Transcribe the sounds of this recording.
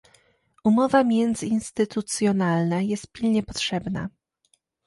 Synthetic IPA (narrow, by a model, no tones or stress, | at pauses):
umɔvamʲjɛnd̪zɘinst̪ɘt̪ut̪sʲjɔnalnajɛst̪̚pʲilɲɛpɔtʂɛbna̰